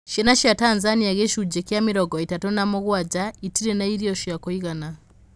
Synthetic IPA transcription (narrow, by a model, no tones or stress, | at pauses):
ʃenaʃjataːnzanijaɣeʃud͡ʒekjamiɾoɡoitatonamuɣwaɟaitiɾenaiɾioʃiakoiɣana